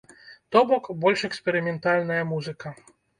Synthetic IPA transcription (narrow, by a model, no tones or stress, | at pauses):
t̪ɔbɔkbɔlʲʂɛkspʲɛɾɨmʲɛnt̪alʲnɐjɐmuzɨkɐ